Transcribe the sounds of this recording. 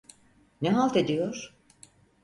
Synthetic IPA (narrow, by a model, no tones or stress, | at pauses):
nɛɦalˠt̪ed̪ijoɾ̥